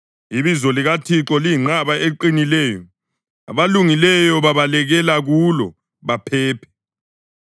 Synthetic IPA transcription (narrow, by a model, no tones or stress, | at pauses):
iβizɔliɣatʰiǁɔliiŋ͡ǁaβaʔeǃinilɛːjɔ | a̰βaluŋilɛjɔβaβalɛɣɛlaɣulɔ̰ | βapʰɛːpʰɛ̥